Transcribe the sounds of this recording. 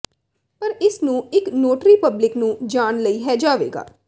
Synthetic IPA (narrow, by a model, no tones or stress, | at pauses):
pəɾɪsnũːɪknoːʈɾiːpəblɪknũːd͡ʒaːnləiːɦɛːd͡ʒaːʋḛːɡa̰ː